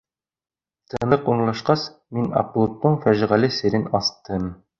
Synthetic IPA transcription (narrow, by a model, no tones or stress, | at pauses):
t̪ʰɤ̆nˠɤquɴlˠɑʃqɑs | minɑ̰qlˠut̪ːoɴfæʒ̆ʁælɘsɘ̆ɾɘnɑst̪ɤm